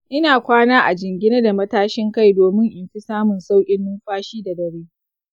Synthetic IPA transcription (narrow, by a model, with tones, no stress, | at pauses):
ʔɪ˦naː˨kʷaː˦naː˦ʔa˨d͡ʒɪ˨ŋɡʲɪ˦ne˦da˨mɐ˦taː˦ʃɪ˦ŋka˦˨jdoː˨mɪ˦ŋʔɪ˨mɸi˦saː˦mʊ˨nsa˦wkʲʼɪ˦nːʊ˦mɸaː˦ʃiː˦da˨dɐ˨ɽeː˦